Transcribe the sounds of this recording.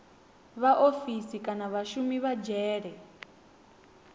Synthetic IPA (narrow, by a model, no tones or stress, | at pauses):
βaʔofisikʼanaβaʃumiβad͡ʒɛːɺɛ